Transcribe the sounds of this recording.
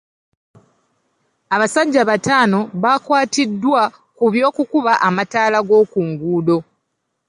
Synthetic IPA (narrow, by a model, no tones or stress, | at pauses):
aβasaɟːaβataːno̞βakwaːtidːwa | kuβjo̞ːkukuβaʔamataːlaɡo̞ːkuːŋɡuːdo̞